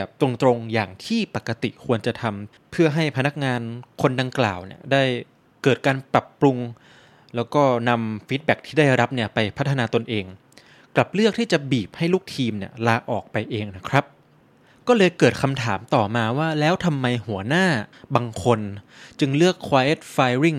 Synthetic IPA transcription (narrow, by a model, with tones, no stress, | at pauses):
ɛː˨˩p̚t̪ɾo˧ŋt̪ɾo˧ŋjaː˨˩ŋt̪ʰiː˥˩pa˨˩kːa˧t̪ḭ˨˩kʰu˧ənt͡ɕa˨˩t̪ʰa˧m | pʰɯ˥˩ɐɦa˥˩jpʰa˧na˦˥k̚ŋaː˧nkʰo˧nda˧ŋkla̰ː˨˩wnḭ˥˩ɐdaː˥˩j | kɤː˨˩t̪̚kaː˧npɾa˨˩pːɾu˧ŋ | lɛː˦˥wkɔː˥˩na˧mfiː˦˥t̪̚bɛ˨˩k̚t̪ʰiː˥˩daː˥˩jɾa˦˥p̚ni˥˩ɐpa˧jpʰt̪ʰːa˧naː˧t̪o˧nʔeː˧ŋ | kla˨˩p̚lɯ˥˩ək̚t̪ʰiː˥˩t͡ɕa˨˩biː˨˩p̚ha˥˩jluː˥˩k̚t̪ʰiː˧mni˥˩əlaː˧ʔɔː˨˩k̚pa˧jʔeː˧ŋna˦˥kʰɾa˦˥p̚ | kɔː˥˩lɤː˧jkɤː˨˩t̪̚kʰa˧mt̪ʰaː˩˦mt̪ɔː˨˩maː˧waː˥˩lɛː˦˥wt̪ʰa˧mːa˧jhu˨˩˦ɐnaː˥˩baː˧ŋkʰo˧nt͡ɕɯ˧ŋlɯ˥˩əkʰːwaː˧ʔe˦˥t̪̚faː˧jɾi˥˩ŋ